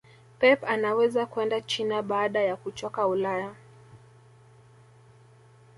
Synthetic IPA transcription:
pɛpanawɛzakuɛndat͡ʃinaɓaːɗajakut͡ʃɔkaulaja

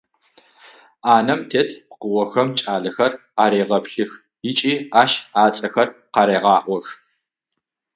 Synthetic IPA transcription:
aːnɐmtʰeːtʰpqəwɔxɐmt͡ʃʼaːɮɐxɐr | aːɾeːʁɐpɬɨx | jɪt͡ʃʼiːaːʃaːt͡sʼɐxɐrqɑːɾeːʁɑːʔʷɔx

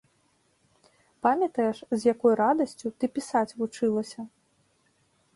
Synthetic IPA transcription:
pamʲɐt̪ɐjɛʂzʲjakɔjɾad̪ɐsʲt͡sʲut̪ɨpʲisat͡sʲvut͡ʂɨlˠɐsʲɐ

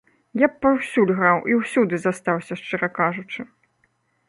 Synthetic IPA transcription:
japːawsʲulʲɣɾawʔiwsʲud̪ɨzast̪awsʲɐʂt͡ʂɨɾakaʐut͡ʂɨ

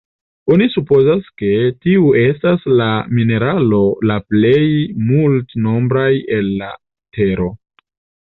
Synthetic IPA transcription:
o̞nisupo̞zaske̞tiue̞staslamine̞ɾalo̞laple̞jmultno̞mbɾaje̞lːa | te̞ɾo̞

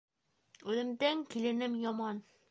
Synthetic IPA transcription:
ʉðɘ̆md̪æŋkilɘ̆nɘmjɒmɑn

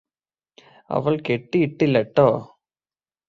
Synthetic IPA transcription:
ɐ̰ʋɐɭkɛʈːiɪʈːɪlɐʈːoː

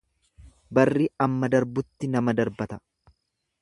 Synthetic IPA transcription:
bɐrːiːɐmːɐd̪ɐɾbʊt̪ːɪnɐmɐd̪ɐɾbɐt̪ɐ̥

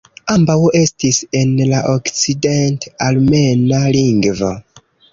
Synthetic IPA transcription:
ambawe̞stise̞nlaʔokt͡sidentalme̞naliŋɡvo̰

